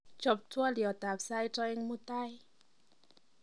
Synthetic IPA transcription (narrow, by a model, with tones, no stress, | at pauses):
t͡ɕo˨˩p̚t̪ʰu˧ə˧li˨˩ə˨˩t̪aː˨˩p̚saː˧˥˨jt̪ɔ˧˦je˧˦ŋmu˧t̪a˧˥˨j